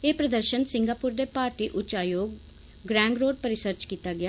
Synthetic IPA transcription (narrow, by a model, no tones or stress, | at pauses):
eːpɾəd̪əɾʃənsɪŋɡaːpʊːɾd̪eːpaːɾt̪iːʔʊt͡ʃaːjoːɡ̚ː | ɾɛ̃ːŋɡɾoːɖ̚pəɾɪsəɾt͡ʃkiːt̪aːɡɪaː